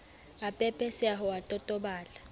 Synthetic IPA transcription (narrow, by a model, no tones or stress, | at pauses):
apʼɛpʼɛsɛaɦɔatʼɔtʼɔɓaːla